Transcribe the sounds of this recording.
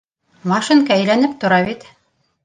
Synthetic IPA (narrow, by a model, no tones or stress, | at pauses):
mɑʃɨŋkɑæjlænɘp̚t̪ŏɾɑβit̪